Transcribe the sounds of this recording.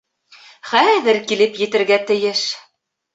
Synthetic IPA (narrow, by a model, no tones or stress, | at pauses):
χæðɘɾkilɘpjɘ̆t̪ɘ̆ɾɡæt̪ɘ̆jɘʃ